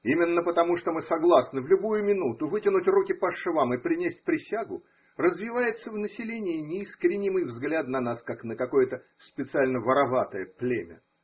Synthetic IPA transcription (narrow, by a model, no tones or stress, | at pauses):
imʲɪnːəpət̪ɐmuʂt̪omɨsɐɡlˠasnɨvlʲʊbujʊmʲɪnut̪ʊvɨtʲɪnʊtʲrukʲɪpɐʂɨvamɨpɾʲɪnʲesʲt̚ʲpɾʲɪsʲaɡʊ | rəzvʲɪvajɪt̪səvnəsʲɪlʲenʲɪjɪnʲɪiskɾʲɪnʲimɨjvzɡlʲat̪nɐnaskaknəkɐkojət̪ə | spʲɪt̪sɨalʲnəvəɾɐvat̪əjəplʲemʲə̰